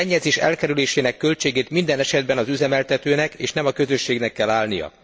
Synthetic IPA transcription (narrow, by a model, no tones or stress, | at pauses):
ɛɲːɛzeːʃɛ̰lkɛɾyleːʃeːnɛkːø̞lt͡ʃeːɡeːt̪mind̪ɛnɛʃɛd̪̚bɛnɒzyzɛmɛlt̪ɛt̪øːnɛkeːʃnɛmɒkø̞zø̞ʃːeːɡnɛkːɛlːaːlnijɒ̰